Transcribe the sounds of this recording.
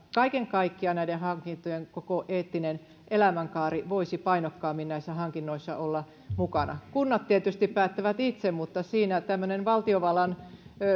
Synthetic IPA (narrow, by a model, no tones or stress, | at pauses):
kɑikeŋkɑikːiɑnæiɾehɑŋkint̪ojeŋkokoʔeːt̪ːinen | elæmæŋkɑːriʋoisipɑinokːɑːmːinnæisːæhɑŋkinːoisːɑolːɑ | mukɑnɑ̰kunːɑt̪t̪iet̪yst̪ippæːt̪ːæʋæt̪it̪semmut̪ːɑsiːnæt̪æmːønenʋɑlt̪ioʋɑlɑn